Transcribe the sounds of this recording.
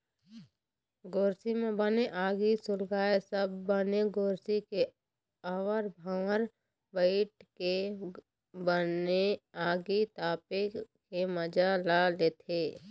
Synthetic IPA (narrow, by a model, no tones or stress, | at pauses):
ɡoːɾsimẽbəneʔaːɡisʊlɡaːesəbːəneɡoːɾsike | aːwəɾbʱãːɾ | bəɪʈke | bəneaːɡit̪aːpekːeməd͡ʒalaleːt̪ʰeː